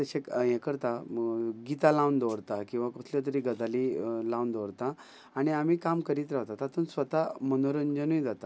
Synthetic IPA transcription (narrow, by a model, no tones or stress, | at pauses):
t̪əɕejẽkəɾt̪aɡit̪alawnd̪oʋɾt̪akĩw̃ʋakut̪ʰljat̪̬əɾiːɡəd̪alilaund̪oʋɾt̪a | aɽ̃iam̤iːkamkəɾiːt̪ɾaɦt̪at̪at̪ʰuːnsʋət̪amənoɾənd͡ʑənujd͡zat̪a